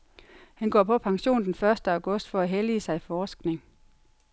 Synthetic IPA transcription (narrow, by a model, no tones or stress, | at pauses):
hænɡ̥ɒ̰ːpʰɒ̽pʰɑ̈ŋɕo̝̰ːnd̥enfɶɐsd̥əɑ̈ʊɡ̥ɔ̽sd̥fɒ̽æɦelisɑ̈ɪifɒːsɡ̥ne̝ŋ